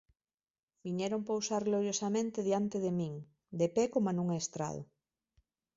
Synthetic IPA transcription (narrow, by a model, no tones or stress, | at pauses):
biɲeɾompowsaɾɣloɾjosamẽnt̪eðjant̪eðemiŋ | d̪epekomanũŋaest̪ɾa̰ð̞o̰